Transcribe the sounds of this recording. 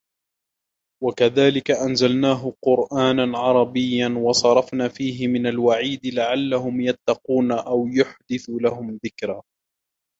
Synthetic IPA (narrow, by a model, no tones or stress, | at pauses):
wakaðaːlɪkaʔanzalnaːɦʊqʊɾʔaːnanʕɑɾˤɑbɪjːanwɑsˤɑɾˤɑfnaːfiːɦɪmɪnalwaʕiːd̪laʕalːaɦʊmjat̪ːɑquːnaʔawjʊħd̪ɪθulaɦʊmðɪkɾaː